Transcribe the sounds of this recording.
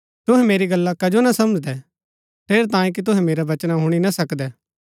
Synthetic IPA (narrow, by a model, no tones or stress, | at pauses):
t̪ʊɦɛ̃meːɾiɡɐlːakɐd͡ʒonasɐməd͡ʒd̪ɛ | t̪ʰeːɾt̪ãːjĩk̬it̪̬ʊɦɛ̃meːɾabɐt͡ʃnaɦʊɽ̃inasɐkd̪ɛː